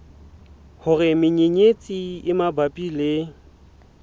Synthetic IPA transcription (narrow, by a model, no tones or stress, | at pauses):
hʊrɪmɪɲeɲet͡sʼiɪmabapʼilɪ